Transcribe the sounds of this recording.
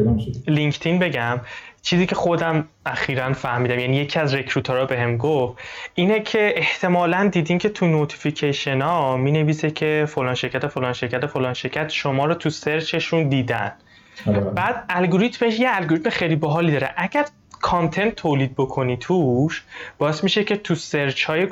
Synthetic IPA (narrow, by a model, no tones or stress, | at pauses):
liŋkt̪ʰinbe̞ɟæmt͡ʃʰiːziːcʰe̞χod̪æm | æxiːɾænfæhmiːd̪æmjænije̞cʰiæzɾe̞kʰɾuːt̪ʰoɾɒbe̞ɦe̞mɡofiːnecʰe̞eht̪ʰe̞mɒːlænd̪iːd̪incʰe̞t̪ʰunot̪ʰi̥ficʰeʃenɒmiːne̞viːsecʰe̞folɒːnʃe̞ɾcʰæt̪ʰefolɒːnʃe̞ɾcʰæt̪ʰefolɒːnʃe̞ɾcʰæt̪ʃomɒːɾɔt̪ʰuseɾt͡ʃʰe̞ʃund̪iːd̪æ̰n | bæːd̪̚ælɡoɾit̪me̞ʃjeælɡoɾit̪ʰmeχejliːboɦɒːlid̪ɒːɾeʔæɟæɾ | kʰɒnt̪ʰe̞nt̪ʰːoːliːd̪̚bokʰo̞nit̪ʰuʃb̥ɒːesmiʃe̞cʰe̞t̪ʰuseɾt͡ʃʰhɒːje